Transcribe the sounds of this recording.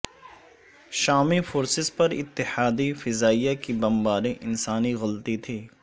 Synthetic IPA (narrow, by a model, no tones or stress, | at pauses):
ʃaːmifoːɾsɪzpɐɾɪ̰t̪ːɪħaːd̪ifɪzaːijakibɐmbaːɾẽʔɪnsaːniɣɐlt̪it̪ʰiː